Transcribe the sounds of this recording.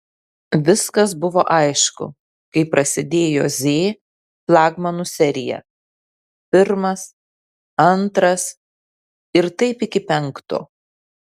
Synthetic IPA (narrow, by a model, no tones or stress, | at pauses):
ʋʲɪskɐsbʊʋoːʔɐɪʃkʊ̰ | kɐɪpɾɐsʲɪd̪ʲeːjo̰ːzʲeː | plˠɑːɡmɐnusʲɛɾʲɪjɛ̰ | pʲɪɾmɐs | ɐnt̪ɾɐs | ɪɾt̪ɐɪpɪkʲɪpʲɛŋˑkt̪o̰ː